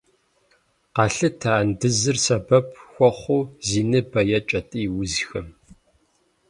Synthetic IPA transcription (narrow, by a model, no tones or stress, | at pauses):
qɑːɬɨtʰaːndɨzɨrsɐbɐpʰxʷɔχʷuːziːnɨbɐjɐt͡ʃʼɐtʼiːwʊzxɐm